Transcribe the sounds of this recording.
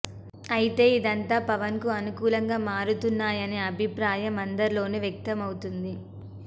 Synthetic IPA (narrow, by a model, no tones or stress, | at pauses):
ɐjit̪e̞ːid̪ɐnt̪aːpɐʋɐnkuɐnukuːlɐŋɡaːmaːɾut̪unːaːjɐneːɐbʱipɾaːjɐmɐnd̪ɐɾilo̞ːneːʋjɐk̚t̪ɐmɐwut̪und̪i